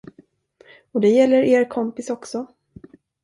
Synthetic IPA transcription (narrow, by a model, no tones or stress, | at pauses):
ɔd̪ɛjɛlːəɾeːɾkʰɔmpɪsɔksɔ